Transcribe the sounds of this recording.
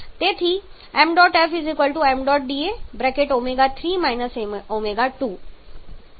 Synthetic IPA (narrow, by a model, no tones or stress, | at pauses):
t̪et̪ʰi | ɛ̃mɖɔʈefizikəlʈuɛmɖɔʈ̚ɖiebɾɛkeʈomeɡat̪ʰɾiːmajnəsemomeɡaʈuː